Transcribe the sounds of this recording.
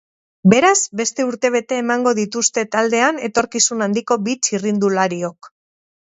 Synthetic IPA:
be̞ɾazbe̞st̪e̞uɾt̪e̞β̞e̞t̪e̞ːmaŋɡo̞ðit̪ust̪e̞t̪ald̪e̞ane̞t̪o̞ɾkisunand̪iko̞bit͡ʃirind̪ulaɾio̞k

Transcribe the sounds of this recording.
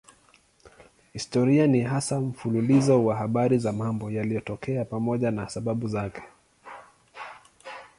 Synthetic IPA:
histɔɾianiɦasam̩fululizɔwaɦaɓaɾizamambɔjalijɔtɔkɛapamɔʄanasaɓaɓuzakɛ̥

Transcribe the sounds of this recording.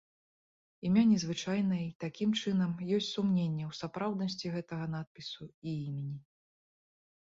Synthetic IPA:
imʲanʲɛzvɨt͡ʂajnɐit̪akʲimt͡ʂɨnɐmjɔsʲt͡sʲsumnʲenʲːɛwsapɾawd̪̚nɐsʲt͡sʲiɣɛt̪ɐɣɐnat̪̚pʲisuiimʲenʲi

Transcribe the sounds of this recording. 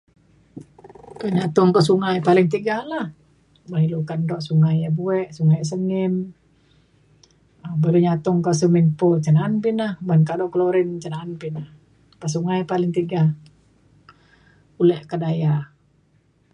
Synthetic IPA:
k̪əɲat̪ɔŋkasuŋajpalɪŋt̪iɡahlah | baɦilukandɔʔsuŋajabuɛʔsuŋajs̬əŋim | əbəluɲat̪ɔŋkas̬əminpot͡ʃənanpinahbankadɔʔkəloɾɪnt͡ʃənaːnpinah | pas̬uŋajpalɪŋt̪iɡa | ulɛʔkadaja

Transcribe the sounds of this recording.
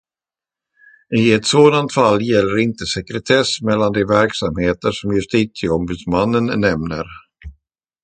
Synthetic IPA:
ɪɛt̪soːd̪ant̪falːjɛlːəɾɪnt̪əsɛkɾɛt̪ʰɛsmɛlːand̪ɛvæɾksamheːt̪əʂɔmjɵʂt̪iːt̪sɪɔmbʉ̟ːd̪smanːənnɛmnəɾ

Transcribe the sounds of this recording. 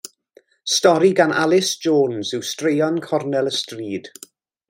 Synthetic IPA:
stɔɾiɡanʔa̰lˠɪsd͡ʒoːnzɪwstrejɔnkʰɔrnɛlˠəstriːd̥

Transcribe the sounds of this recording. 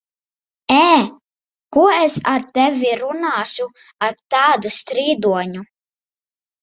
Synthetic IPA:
ɛː | kuɔɛsaɾt̪ɛvʲiɾunaːʃu | aɾt̪aːd̪ust̪ɾiːd̪uɔɲu

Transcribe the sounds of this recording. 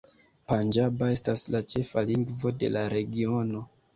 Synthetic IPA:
pand͡ʒabae̞staslat͡ʃe̞faliŋɡvo̞de̞̰laɾe̞ɡio̞no̞

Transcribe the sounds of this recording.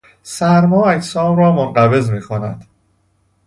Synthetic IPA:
sæɾmɒːæcʰsɒːmrɒːmonɢæbe̞zmiːxonæ̰d̪̥

